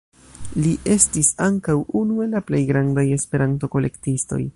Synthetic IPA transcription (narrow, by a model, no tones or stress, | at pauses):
liʔe̞stisaŋkawunue̞laple̞jɡɾandaje̞spe̞ɾanto̞ko̞le̞̰ktisto̞̰j